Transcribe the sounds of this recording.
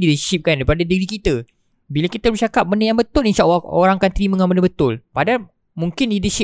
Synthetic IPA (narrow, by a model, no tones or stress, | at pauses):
didəʃip̚kandaɾipadadəɡɾikit̪ə | bilakit̪əbət͡ʃakap̚bəndəjaŋbət̪ʊlinʃaʔwao̰ɾaŋkant̪ɾimə̃ŋanbəndəbət̪ʊlpada | muŋkɪndidəʃɪ